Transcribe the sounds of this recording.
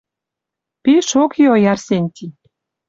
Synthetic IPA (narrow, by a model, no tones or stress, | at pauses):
piʃokiojɑrsenʲt̪ʲi